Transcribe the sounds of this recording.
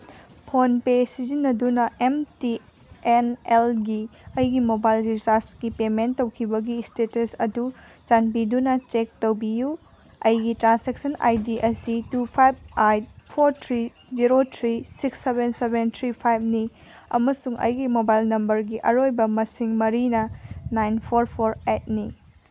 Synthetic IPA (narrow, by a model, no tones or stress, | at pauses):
pʰonpesizinːɐdunɐemti | enelɡiɐjɡimobajlɾisaɾstkipementːɐwkʰibɐɡistetɐsɐdu | t͡ʃanbidunɐt͡ʃek̚towbiju | ɐjɡitɾansek̚sɐna̰jdiʔɐsitupʰajb̚ajpʰoɾtʰɾi | ziɾotʰɾisiksːebensebent̪ʰɾipʰajb̚ni | ɐ̰mɐsuŋɐ̰jɡimobajlnɐmbɐɾɡiʔɐɾojbɐmɐsiŋmɐɾinɐnajnpʰoɾpʰoɾet̚ni